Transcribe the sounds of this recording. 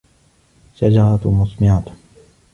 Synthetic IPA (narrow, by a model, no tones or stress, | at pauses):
ʃad͡ʒɑɾˤɑt̪mʊsmɪʕat̪